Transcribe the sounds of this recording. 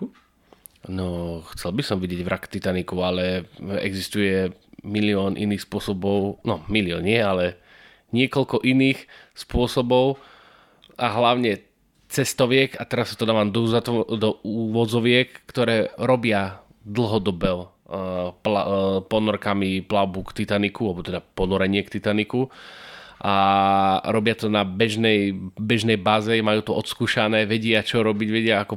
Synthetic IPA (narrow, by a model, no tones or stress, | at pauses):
nɔxt͡sɛlbisɔmʋiɟɪjɛɟʋɾakt̪it̪anikualɛɛ̰ɡzist̪ujɛ | miliɔːnʔḭniːxspʊɔsɔbɔʊnɔmiliɔːnːɪɛalɛ | ɲɪɛkɔlkɔʔiniːxspʊɔsɔbɔʊ | aɦlaʊɲɛ | t͡sɛst̪ɔʋɪɛkat̪ɛɾasːat̪ɔd̪aːʋaːmd̪ɔzt̪d̪ɔuːʋɔd͡zɔʋɪɛkːt̪ɔɾɛːɾɔbɪa | d̪l̩ɦɔd̪ɔbɛ | plapɔnɔɾkamiplaʊbukt̪it̪anikualɛbɔt̪ɛd̪apɔnɔɾɛɲɪɛkt̪it̪aniku | ʔa | ɾɔbɪat̪ɔnabɛʒnɛjbɛʒnɛjbaːzɛmajuːt̪ɔʔɔt̪skuːʃanɛːʋɛɟɪat͡ʃɔɾɔbiɟʋɛɟɪaakɔ